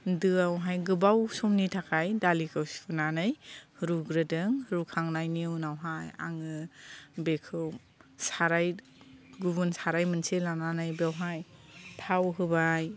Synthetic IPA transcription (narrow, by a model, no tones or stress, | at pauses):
dɯawɦajɡɯbawsɔmnitʰakʰajdalikʰɯwsi̥pʰunanɯjhɾuɡɾɯdɯŋɾukʰaŋnajniwnawɦaja̰ŋɯbekʰɯm | saɾaj | ɡubunsaɾajmɯnselananɯjbawɦajtʰawɦɯbaj